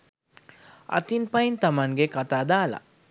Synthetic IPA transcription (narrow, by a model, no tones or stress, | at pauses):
a̰t̪inpajint̪amanɡekat̪ad̪ala̰